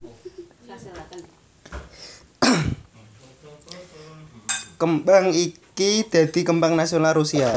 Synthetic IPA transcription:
kəmbaŋikid̪̥a̤d̪̥i̤kəmbaŋnasionalɾusia

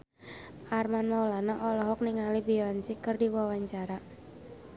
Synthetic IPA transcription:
ʔarmanmawlanaʔɔlɔɦɔk̚niŋalibiɔnsikərdiwawaɲt͡ʃaɾa

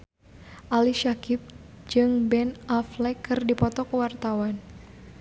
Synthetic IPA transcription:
ʔaliʃakɪp̚ | d͡ʒɨŋbɛnʔaflɛkɨrdipɔt̪ɔkwart̪awan

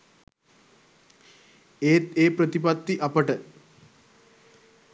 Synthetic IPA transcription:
eːt̪eːpɾət̪ipat̪ːiʔapəʈə

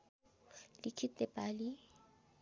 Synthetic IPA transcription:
lɪkʰitʼɛpʼali

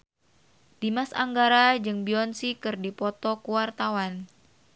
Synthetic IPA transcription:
d̥imasa̰ŋɡaɾad͡ʒɨŋbiɔnsikɨrdipɔt̪ɔkuwart̪awan

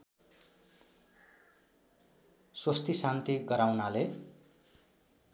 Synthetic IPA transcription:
swʌst̪ʰisant̪iɡʌɾawnale

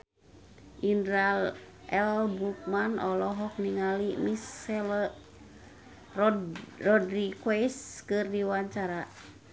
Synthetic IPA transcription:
ʔinɾal | ɛlbuk̚manɔlɔɦɔk̚niŋalimisɛl | rɔdɾikwɛskɨrdiwaɲt͡ʃaɾa

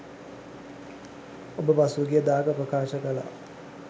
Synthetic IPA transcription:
obəpasuɡijəd̪aːkəprəkaːʃəkəla̰

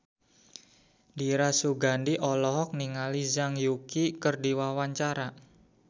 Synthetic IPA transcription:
diɾasuɡandiʔɔlɔɦɔk̚niŋalizaŋjukikərdiwawaɲt͡ʃaɾa

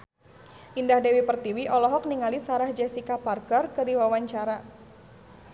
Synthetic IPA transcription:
ʔindahdewipərt̪iwiʔɔlɔɦɔk̚niŋalisaɾahd͡ʒɛsikaparkərkədiwawaɲt͡ʃaɾa

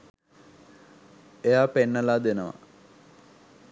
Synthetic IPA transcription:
ejaːpenːəlaːd̪enəʋa̰

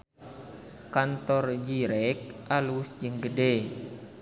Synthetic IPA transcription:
kant̪ɔrd͡ʒiɾɛk̚ʔalusd͡ʒɨŋɡəde

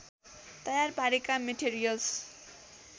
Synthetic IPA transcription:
t̪ʌjarpaɾekameʈeɾijʌls

